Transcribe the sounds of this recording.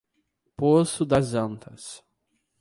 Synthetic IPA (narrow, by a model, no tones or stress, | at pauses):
posʊd̪ɐzɐ̃nt̪ʰɐs